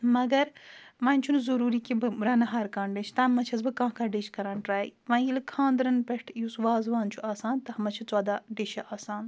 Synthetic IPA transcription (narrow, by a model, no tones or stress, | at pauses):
mɐɡɐɾmɐ̃ːnʲt͡ʃʰunzɐɾuːɾiːkibɨɾɐnɐɦaːɾkaːɳɖet͡ʃʰt̪ɐːmɐt͡ʃʰɐzbɨkãːɦkaɖeʃʰkɐɾaːnʈɾaːjḭʋɐ̃ːjilkʰãːnd̪ɾɐnpeʈʰjusʋaːzʋaːnt͡ʃʰuaːsaːnt̪ɐhɐmɐt͡ʃʰit͡swaːd̪aːɖeʃɐʔaːsaːn